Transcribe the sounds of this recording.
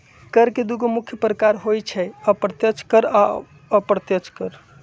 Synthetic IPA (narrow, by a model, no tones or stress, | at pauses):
kəɾked̪uɡomukʰːjəpɾəkaɾɦojt͡ʃʰɛəpɾət̪jət͡ʃʰkəɾa | əpɾət̪jət͡ʃʰkəɾ